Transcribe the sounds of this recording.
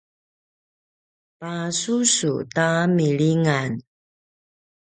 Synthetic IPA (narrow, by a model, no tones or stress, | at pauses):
pasusṵtamiɭiŋan